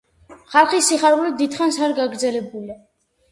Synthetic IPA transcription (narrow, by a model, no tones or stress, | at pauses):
χalˠχisiχaɾulid̪id̪χansaɾɡaɡɾd̪zɛlɛbuli